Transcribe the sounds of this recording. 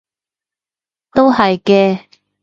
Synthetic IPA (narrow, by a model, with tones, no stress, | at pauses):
t̪o˥whɐ˨jkɛː˧